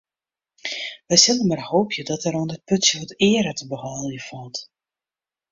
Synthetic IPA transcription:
ʋɛjsɪləmarhoːpʰjədɔtɛɾɔndət̚pɵtsjəʋɔtɪːəɾətəbəhɔlˠjəfɔlˠt

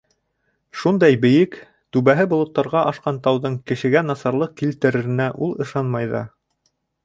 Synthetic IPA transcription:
ʃund̪ɑjbɘ̆jɘk | t̪ʉβæɦɘbŏlˠŏt̪ːɑɾʁɑʔɑʃqɑnt̪ɑwðɤɴkɘ̆ʃɘ̆ɡænɑsɑɾlˠɤq̚kilt̪ɘ̆ɾɘ̆ɾɘ̆næʔulˠɤ̆ʃɑnmɑjðɑ̰

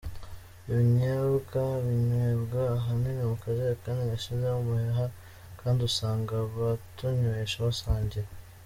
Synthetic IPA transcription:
iβiɲaβukaβiɲwebɡaːɦaminemukazeakaːniŋaʃizeumuheɦa | kaːndiusaːŋɡaβatuɲoɾeʃaβasaːɲɟiɾe

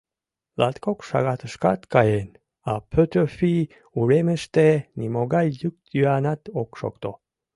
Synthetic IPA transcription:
lat̪kʰokʃa̰ɡat̪əʃka̰t̪kajen | apʰøt̪øfi | uɾeməʃt̪enimoɡalʲjuk̚t̪ʰjyanat̪okʃo̰kt̪o

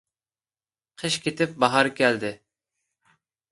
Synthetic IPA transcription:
qʰəʃkʲʰet̪ɪp̚bɑɦɑɾɨkʲɛld̪ɪ

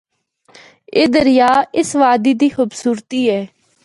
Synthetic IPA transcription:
eːd̪əɾɪjaːɪsʋaːd̪iːd̪iːxʊbsuːɾt̪iːɛː

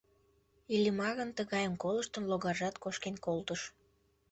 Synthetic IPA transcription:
ilʲəmɑɣənt̪əɣɑjəmkoləʃt̪ə̆nloɣɑʒɑt̪koʃkenkolt̪əʃ

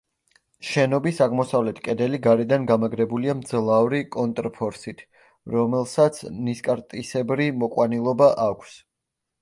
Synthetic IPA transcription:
ʃɛnɔbisaʁmɔsavlɛt̪ʰkʼɛd̪ɛliɡaɾɛd̪anɡamaɡɾɛbuliamd̪zlˠavɾikʼɔnt̪ʼɾpʰɔɾsit̪ʰ | ɾɔmɛlˠsat̪sʰniskʼaɾt̪ʼisɛbɾimɔkʼwanilˠɔbaʔakʷʰs

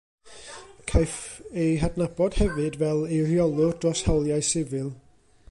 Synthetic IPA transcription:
kʰajfeɦadnabɔd̥hɛvɨdvɛlˠejrjɔlˠʊrd̥rɔshawlˠjajsɪvɨlˠ

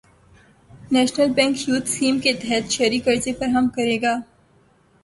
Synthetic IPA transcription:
nɛːʃnəlbɛ̃ŋkhjuːt̪skiːmket̪ɛɦɛt̪ʃɐɾikɐɾzefɐɾɦɐmkɐɾeːɡaː

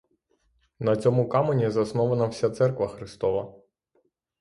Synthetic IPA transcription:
nɐt͡sʲɔmʊkamenʲizɐsnɔʋɐnɐwsʲat̪sɛrkʋɐxɾɪst̪ɔʋɐ

